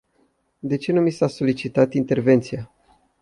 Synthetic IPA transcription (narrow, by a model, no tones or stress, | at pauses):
d̪e̞t͡ʃe̞numisaso̞lit͡ʃit̪at̪int̪e̞rve̞nt̪sia